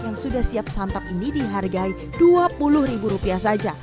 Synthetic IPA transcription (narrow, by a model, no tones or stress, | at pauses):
jaŋsudahsiap̚sant̪apinidiɦarɡai | duapulʊhribuɾupiahsad͡ʒa